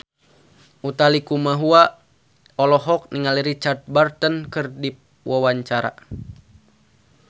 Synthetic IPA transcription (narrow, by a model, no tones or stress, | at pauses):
ut̪alikumaɦua | ɔlɔɦɔk̚niŋaliɾit͡ʃart̪̚bart̪ənkɨrdip̚ | wawaɲt͡ʃaɾa̰